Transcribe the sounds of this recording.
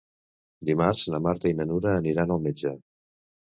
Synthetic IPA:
d̪imaɾzləmaɾt̪əinənuɾəːniɾanəlˠmed͡ʒə

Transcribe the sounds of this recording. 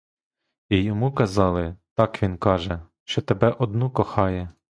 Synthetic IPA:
ijɔmukɐzɑlˠɪt̪ɑkʋʲinkɑʒɛ | ʃt͡ʃɔt̪ebɛʔɔd̪nukɔxɑjɛ

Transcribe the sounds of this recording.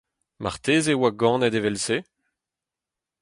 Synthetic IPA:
ma̰ʁt̪eːzewaɡɑ̃ːnɛd̪evɛlse

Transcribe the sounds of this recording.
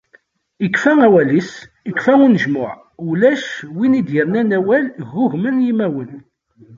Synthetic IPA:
ikːfæŋæwælis | ikːfæunəʒmʊʕ | ulæʃwinid̪jəɾˤnænæwælɣʊʝmənjimæwən

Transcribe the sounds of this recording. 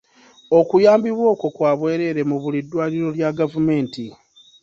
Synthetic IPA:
o̞kujaːmbiβwo̞ːko̞kwaːβwe̞ːɾe̞ɾe̞muβulidːwaːliɾo̞ljaɡavume̞ːnti

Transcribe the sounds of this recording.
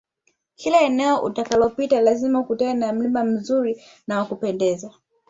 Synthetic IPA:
kilɛɛnɛɔʔṵtakalɔpitalazimaukutaːnam̩limam̩zuɾi | nawakupɛndɛza

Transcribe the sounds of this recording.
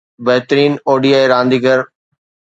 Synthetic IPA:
bɐɦɪt̪əɾiːnoːɖiaːeɾãːnd̪iːɡəɾ

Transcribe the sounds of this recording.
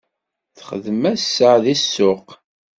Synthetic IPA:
θχəðmæsːəʕðisːʊq

